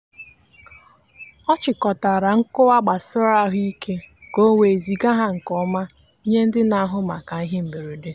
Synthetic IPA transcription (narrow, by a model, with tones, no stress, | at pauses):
ɔ˦t͡ʃɪ˨kɔ˨ta˨ɾa˨ŋ̩˦kʊ˦wa˦ɡ͡ba˨sɪ˦ɾa˦ɦʊ˦i˦kʰe˦ɡo˦we˨e˨zi˨ɡa˦ɦa˦ŋ̩˨kɔ˦ma˦ | ɲe˦n̩˦dɪ˦na˨a˦ɦʊ˦ma˨ka˨i˦ɦe˦m̩˨be˨ɾe˨de˨˦